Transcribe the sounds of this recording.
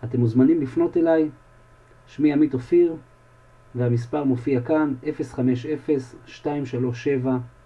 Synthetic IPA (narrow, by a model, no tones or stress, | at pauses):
ate̞muzmanimlifno̞te̞laj | ʃmiamitofiʁ | vehamispaʁmofiakanʔe̞fe̞sχame̞ʃe̞fe̞sʃtaimʃalo̞ʃːe̞va